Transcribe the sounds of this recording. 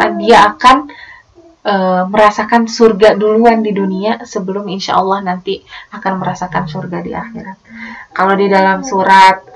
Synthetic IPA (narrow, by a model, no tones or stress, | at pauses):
adiaːkan | ʔəməɾasakansurɡaduluandiduniasəbəlʊminʃa̰ʔɑlːɑhnant̪iakanməɾasakansurɡadiʔa̰xiɾat̪̚kalodidalamsuɾat̪̚